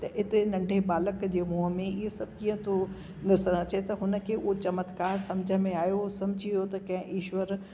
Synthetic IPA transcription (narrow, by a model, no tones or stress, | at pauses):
t̪ɐʔɪt̪enɐ̃ɳɖʱebaːləkd͡ʑeːmoːɦəmẽɪɦesɐb̚ʱkiːə̃t̪ʰo | nɐsəɾ̃ə̃t͡ɕet̪ɐɦʊnə̆kʰeuot͡ɕɐmət̪kaːɾsɐ̃md͡ʑʱə̆mẽaːjosɐmd͡ʑʱijot̪ɐkɐ̃ɦɪ̃ʔiːʃwəɾ